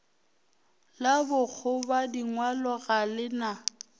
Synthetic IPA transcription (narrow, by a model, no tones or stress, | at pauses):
labʊk͡xʰʊbadiŋwalɔɣalɪna